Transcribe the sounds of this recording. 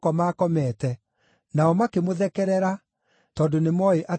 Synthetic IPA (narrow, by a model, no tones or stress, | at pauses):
kɔmaːkɔmɛːtɛ | naɔmakemoðɛkɛɾɛɾa | tɔːndonemɔeʔa